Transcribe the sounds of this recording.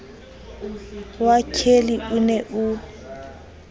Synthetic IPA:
wakʰeliʔunɛʔu

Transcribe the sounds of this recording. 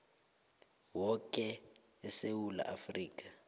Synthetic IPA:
wɔkʼɛ | ɛsewula̰ʔafriːk̬ʼḁ

